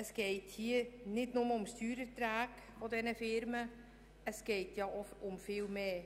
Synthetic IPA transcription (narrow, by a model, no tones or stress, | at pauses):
əskejthiənɪtnomɔmst̪yːɾət̪ɾaːk | fɔdɛnəfɪɾmə | əskejtjɑʔɔɔmfelˠmɛː